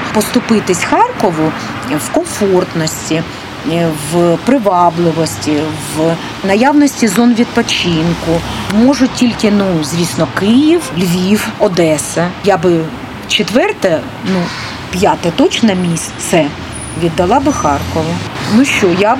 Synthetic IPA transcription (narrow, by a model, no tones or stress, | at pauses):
pɔst̪ʊpɪt̪ɪsʲxɑrkɔʋʊ | wkɔmfɔrt̪nɔsʲtʲi | ʋpɾɪʋɑblˠɪʋɔsʲtʲiʋ | nɐjaʋnɔsʲtʲizɔnʋʲid̪̚pɔt͡ʃɪnkʊmɔʒʊtʲilʲkɪnuzʲʋʲisnɔkɪjiwlʲʋʲiwɔd̪ɛsɐjabɪ | t͡ʃɪt̪ʋɛrt̪ɐ | nu | pʲjat̪ɛt̪ɔt͡ʃnɐmʲisʲtʲt̪sɛ | ʋʲid̪ːɐlˠɑbɪxɑrkɔʋʊnuʃt͡ʃɔja